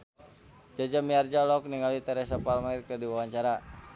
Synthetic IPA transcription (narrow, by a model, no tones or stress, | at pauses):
d͡ʒad͡ʒamiard͡ʒalɔk̚niŋalit̪ɛɾɛs̬apalmairkərdiwawaɲt͡ʃaɾa